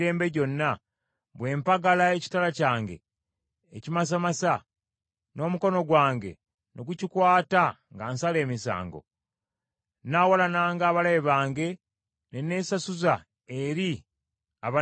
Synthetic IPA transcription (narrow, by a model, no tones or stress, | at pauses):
ɾe̞ːmbe̞ɟo̞nːa | βwe̞ːmpaɡalae̞ci̥talacaːŋɡe̞̰ː | cimas̬amasa | no̞ːmuko̞no̞ɡwaːŋɡe̞̰ | nʔo̞ɡucikwaːta | ŋɡaːnsale̞ːmisa̰ːŋɡo̞̰ | nawalanaːŋɡaːβalajeβaːŋɡe̞ | nene̞ːsasuza | eɾi | aβa